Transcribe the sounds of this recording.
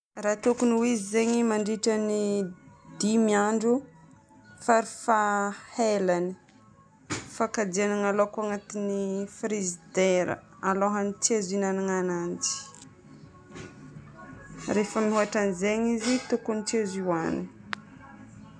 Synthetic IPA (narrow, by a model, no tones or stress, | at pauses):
rat̪ukuniwizizeɲimaɳɖ͡ʐiʈ͡ʂənid̪̥imiaɳɖ͡ʐu | faɾifahelani̥ | fakad̪ianaŋalokuaŋat̪inifɾizid̪eɾə̰aloɦanit͡siazinanaŋanand͡ʒi̥ | ɾefəmiɦuaʈ͡ʂanizeɲizit̪okunit͡siaziwani